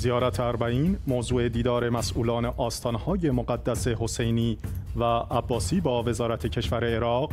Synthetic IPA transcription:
zijɒːɾæt̪ʰeæɾbæiːnmoːzuːe̞d̪iːd̪ɒːɾe̞mæsʔuːlɒːneʔɒːst̪ʰɒːnhɒːje̞moɢæd̪ːæse̞ɦo̞se̞jniːvæʔːbːɒːsiːbɒːve̞zɒːɾæt̪ʰecʰe̞ʃvæɾe̞ːɾɒːɣ

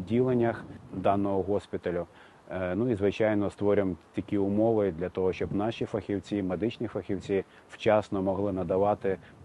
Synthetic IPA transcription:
dʲilˠenʲːɐxd̪ɑnːɔɦɔɦɔsʲpʲit̪ɐlʲʊ | nuizʋɪt͡ʃɑjnɔst̪ʋɔɾʲɪmt̪ʲɐkʲiʊmɔʋɪd̪lʲɐt̪ɔɦɔʃt͡ʃɔbnɑʃʲifɐxʲiwt͡sʲimed̪ɪt͡ʃnʲifɐxʲiwt͡sʲi | w̥t͡ʃɑsnɔmɔɦlˠɪnɐd̪ɐʋɑt̪ɪ

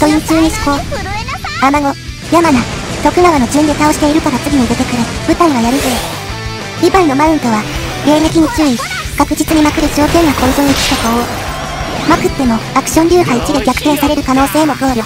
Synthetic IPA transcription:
t̪oit͡ɕɨːɲ̟iɕi̥ko̞ | amaŋo̞ | jamana | t̪o̞kɯ̟ɡaβano̞d͡ʑɨ̃nd̪e̞t̪ao̞ɕi̥t̪e̞iɾɯ̟kaɾat͡sɨɡʲiɲ̟id̪e̞t̪e̞kɯ̟ɾɯ̟b̥ɯ̟t̪aiβajaɾɯ̟zo | ibaino̞mãɯ̃nt̪o̞βa | ɾe̞ːɾekʲiɲ̟it͡ɕɨːi | kakɯ̟d͡ʑit͡sɨɲ̟imakɯ̟d̪ed͡ʑo̞ːkẽ̞ŋɡako̞izoiki̥k̪akoo | makɯ̟t̪ːe̞mo̞akɯ̟̥ɕõ̞nɾʲɨːɦait͡ɕid̪e̞ɡʲakɯ̟̥t̪ẽ̞ɰ̃saɾe̞ɾɯ̟kano̞ːse̞ːmo̞ɡoːɾɯ̟

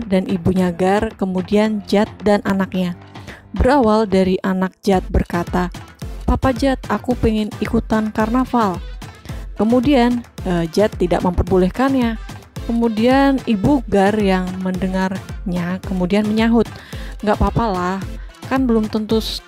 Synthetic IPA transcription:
danʔibuɲaɡarkəmudiand͡ʒat̪̚danʔanak̚ɲa | bəɾawaldaɾiʔanak̚d͡ʒat̪̚bərkat̪apapad͡ʒat̪akupɛŋɪnikut̪ankarnafal | kəmudianəd͡ʒat̪ːida̰ʔ̚məmpərbolɛhkanɲakəmudianibuɡarjaŋməndəŋarɲakəmudianməɲaɦʊt̪̚ŋɡaʔpapalahkanbəlʊmt̪ənt̪ʊs

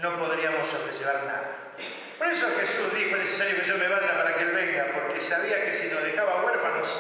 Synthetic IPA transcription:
no̞po̞ðɾiamosːo̞βɾeʒe̞β̞aɾna̰ða | po̞ɾesoxesuzðixoenesesaɾjokeʒo̞me̞βaʒapaɾakeelβeŋɡapoɾkesaβ̞iakesinoðe̞xaβaɣweɾfanos

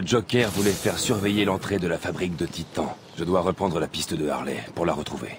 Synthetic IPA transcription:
d͡ʒɔkʲɛʁvulɛfɛʁsyʁvɛjelɑ̃t̪χed̪əlafabʁik̚d̪ət̪it̪ɑ̃ | ʒ̥əd̪waʁəpχɑ̃d̪ʁəlapist̪əd̪əa̰ʁlɛ̰puʁlaʁət̪χuvḛ

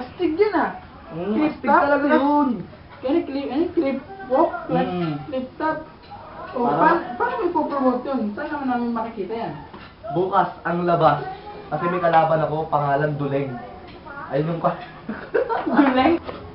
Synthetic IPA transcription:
ɐst̪ɪɡ̚jɐnɐ | lɪpt̪ɪaɐlɐɡaon | kɐnɪklikɐnklɪp̚ːoklɛklɪp̚t̪at̪̚ | ʔopaɾpaːɾɐmɐɡ̚popɾobot̪jonsanːɐmɐnːaːmɪnmɐkɪkiːt̪ɐjan | buːkɐsɐŋlɐbaskɐsɛmɐjkɐlaːbɐnɐko̞pɐŋaːlɐnd̪ʊlɛŋ | ʔɐjnʊŋkɐ | d̪ʊlɛŋ

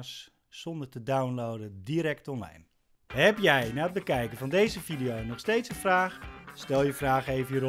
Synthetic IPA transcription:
s | sɔndərtədawnlowdədiɾɛk̚tɔnla̰jn | ɦɛpjɛjnaːəd̚bəkɛjkənvɔndejzəvidijownɔχstejtsənfraːxstɛlˠjəfraːxejvəjəro

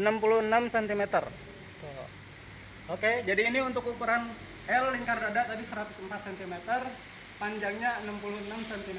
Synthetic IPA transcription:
ənampuluhənamsɛnt̪imet̪ər | t̪o | oked͡ʒadiːniunt̪ʊkukuɾan | ɛlːɪŋkaradat̪abisəɾat̪ʊsəmpat̪̚sɛnt̪imet̪ər | paɲd͡ʒaŋɲaənampuluənamsɛnt̪im

